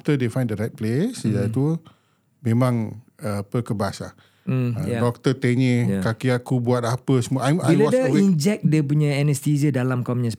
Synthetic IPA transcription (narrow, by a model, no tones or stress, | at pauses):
ft̪ədefãjndəɾajt̪̚plesəd͡ʒat̪u | mẽmãŋəpəkəbasla̰ | ədɔk̚t̪ət̪eɲekakiakubuat̪̚apəsəmuaʔajaiɔdəind͡ʒɛk̚dep̬uɲaɛnəst̪izədalamkɔmɲə̃s